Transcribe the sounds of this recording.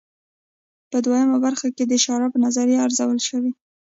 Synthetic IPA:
pəd̪wajəmabaɾxaked̪əʃɑɾɑpənazaɾeaɾzawəlʃəwi

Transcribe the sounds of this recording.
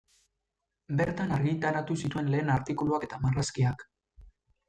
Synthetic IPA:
be̞ɾt̪anaɾɣit̪aɾat̪usit̪ue̞nle̞ːnaɾt̪ikuluake̞t̪amaraskiak

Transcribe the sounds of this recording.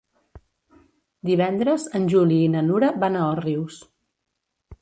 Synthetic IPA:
d̪iβ̞ɛnd̪ɾəzənʲʒuliːnənuɾəβanaəriws

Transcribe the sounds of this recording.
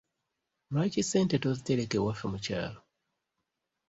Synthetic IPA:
ɾacisentetoziteɾekewaʃomuca̰ːlo

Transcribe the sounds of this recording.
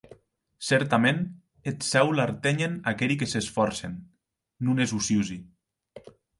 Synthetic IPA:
sɛɾt̪amen | et̪sɛwlaɾt̪eɲenakeʎikesesfɔɾsenː | unezusjuzi

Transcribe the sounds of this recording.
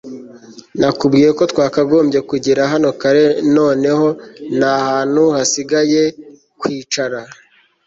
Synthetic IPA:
nakubɡiːɾekotwaːkaɡo̞ːmbɟje̞kuɟiɾaɦano̞kaɾe̞no̞ːne̞ho̞nahaːn̥huhasiɡaje̞ | kwiːt͡ʃaɾa

